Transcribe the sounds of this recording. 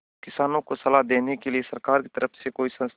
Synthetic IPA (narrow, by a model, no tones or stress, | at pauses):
kɪsaːnõkosɐlaɦd̪eːnekeliesɐɾkaːɾki̥t̪əɾʔəfʰsekoːisɐ̃s